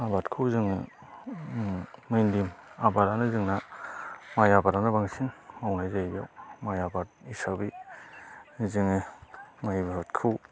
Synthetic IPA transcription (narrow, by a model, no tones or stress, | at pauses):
abatkʰɯwzɯŋɯ | ɯjndimabaɾanɯzɯŋna | majabaɾanabaŋsiŋmawnajzajbjawmajabat̚isabi | zɯŋɯmajbɯɦɯtkʰɯw